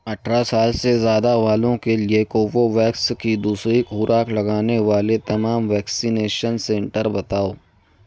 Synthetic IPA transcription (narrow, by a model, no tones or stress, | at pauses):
ɐʈʰɾasaːlsezjaːd̪aʋaːlõkeliekoːʋoʋɛːkskid̪uːsɾikʊɾʔaːklɐɡaːneʋaːlet̪ɐmaːmʋɛːksineːʃənsɛ̃ːɳʈəɾbɐt̪aːoː